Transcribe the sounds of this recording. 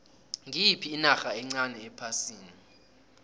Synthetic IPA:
ŋipʰiːnaxaɛŋ͡ǀanɛɛpʰasiːni

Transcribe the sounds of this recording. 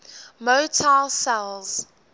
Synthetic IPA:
motʰalsɛlˠz̥

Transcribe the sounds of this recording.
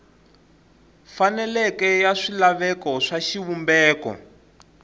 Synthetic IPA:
fanɛlɛkɛjaʂilaβɛkɔʂaʃiwumbɛːkɔ̰

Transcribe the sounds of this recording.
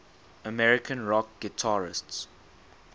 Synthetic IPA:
əmɛɹɪkʰə̃nɹɔk̚ɡ̥ɪtʰaɹɪ̰sts

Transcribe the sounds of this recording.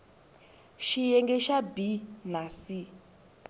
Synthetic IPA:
ʃijɛŋɡɛʃabinasi

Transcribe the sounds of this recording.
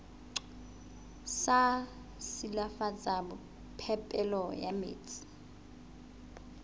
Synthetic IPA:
sa | silafat͡sʼaɓu | pʰɛpʼɛlɔja̰mḛːt͡sʼi̥

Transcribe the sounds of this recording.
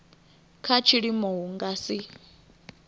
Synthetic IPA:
kʰat͡ʃʰiɺimɔɦuŋɡasi

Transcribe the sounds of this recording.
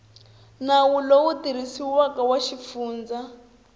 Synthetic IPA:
nawulowutiɾ̤isiwakawaʃip̪fuːnd͡za

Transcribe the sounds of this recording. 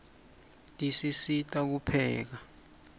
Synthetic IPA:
tʼisisitʼak̬upʰɛːk̬a

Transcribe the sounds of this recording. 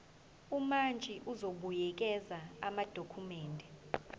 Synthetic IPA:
umant͡ʃʼiʔuzoɓujɛk̬ʼɛzaamad̥ʱokʰumɛːndʱɛ

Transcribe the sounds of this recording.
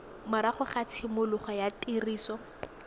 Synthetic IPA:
maɾaχʊχat͡sʰɪmʊlʊχɔjatiriːsɔ

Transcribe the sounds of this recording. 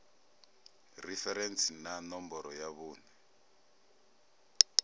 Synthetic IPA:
rifɛɾɛnsinanɔmbɔɾɔjaβuːnɛ

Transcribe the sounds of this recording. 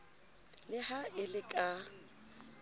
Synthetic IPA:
lɪhaɪlɪkʼa

